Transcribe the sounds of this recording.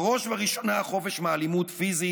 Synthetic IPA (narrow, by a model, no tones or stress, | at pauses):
ʁo̞ʃvaʁiʃo̞naχo̞feʃmealimutfizi